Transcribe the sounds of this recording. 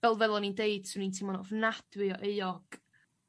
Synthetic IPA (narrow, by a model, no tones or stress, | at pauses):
vɛlˠvɛðˠɔnindejd̥sunintʰimɔnɔvnad̥wɪɔʔejɔɡ̥